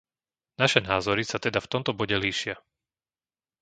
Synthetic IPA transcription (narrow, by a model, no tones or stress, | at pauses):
naʃɛnaːzɔɾisat̪ɛd̪aft̪ɔmt̪ɔbɔɟɛliːʃɪa